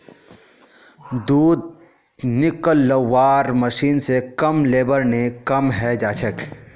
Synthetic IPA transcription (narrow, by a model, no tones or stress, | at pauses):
d̪uːd̪̚ | nɪkəlːəwaːɾməʃiːnsekɐmleːbəɾnekɐmɦɛd͡ʒaːt͡ʃʰək